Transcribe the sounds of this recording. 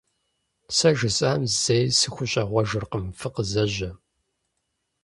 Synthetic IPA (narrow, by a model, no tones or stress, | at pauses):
sɐʒɨsʼaːmzejsɨxʷʊɕʼɐʁʷɔʒɨrqəmfɨqəzɐʑɐ